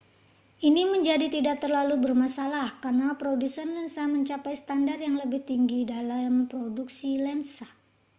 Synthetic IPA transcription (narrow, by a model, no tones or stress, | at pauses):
ʔiniməɲd͡ʒadit̪idak̚t̪ərlalubərmasalahkarnapɾodusanlɛnsaməɲt͡ʃapajsə̥t̪andarjaŋləbɪht̪iŋɡidalampɾoduksilɛnsa